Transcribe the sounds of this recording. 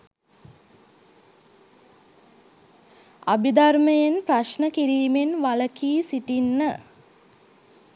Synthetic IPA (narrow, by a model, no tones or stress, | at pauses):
a̰bid̪arməjenpraʃnəkiɾiːmenʋaləkiːsiʈinːə